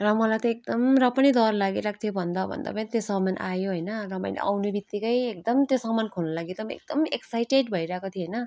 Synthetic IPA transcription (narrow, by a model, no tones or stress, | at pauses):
rʌmʌlajt̪ʌek̚d̪ʌmrʌpʌnid̪ʌrlaɡiɾakʰt̪ʰjobʱʌnd̪ʌbʱʌ̰nd̪a̰pʌnĩt̪josʌmanʔajoɦʌjnʌrʌmʌjlḛʔa̰wnobit̪ːikʌjek̚d̪ʌmt̪josʌmankʰolnʌlaɡit̪ʌmḛk̚d̪ʌmeksajʈeɖbʱʌiɾʌaekot̪ʰieɦʌjnʌ